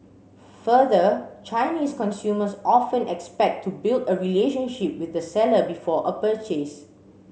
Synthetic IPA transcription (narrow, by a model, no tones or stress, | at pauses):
fəðət͡ʃaɪniːskɔ̃nsjuməsʔɔfə̃nɛkspɛk̚tʰːubildəɹileʃə̃nʃip̚wɪθəsɛləbifɔʔəpət͡ʃes